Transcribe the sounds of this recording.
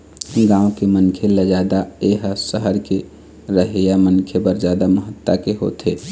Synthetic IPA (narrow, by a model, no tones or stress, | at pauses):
ɡãːokemənkʰeled͡ʒaːd̪aeɦsəɦəɾke | ɾəɦejamənkʰebəɾd͡ʒaːd̪aməɦət̪ːakeɦo̰t̪e